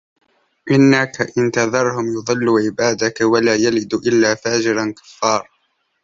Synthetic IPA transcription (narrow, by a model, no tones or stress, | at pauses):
ʔɪnːakaʔɪnt̪ɑðˤɑɾˤhʊmjʊðˤɨlːuːʕɪbaːd̪akawalaːjalɪd̪ʔɪlːaːfaːd͡ʒɪɾankḁfːɑːɾˤ